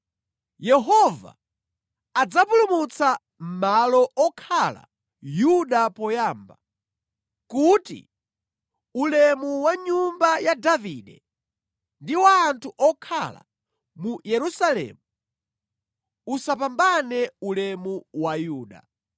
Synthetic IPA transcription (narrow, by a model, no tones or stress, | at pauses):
jɛɦɔva̰ | ad͡zapulumut͡sa | m̩malɔʔɔkʰala̰ | juɗapɔjaːmba | kutḭ | ulɛmuwaɲumbajadaviɗɛ | ndiwaːntʰuʔɔkʰala̰ | mujɛɾusalɛ̰ːmu | usapambanɛulɛmuwajuːɗa̰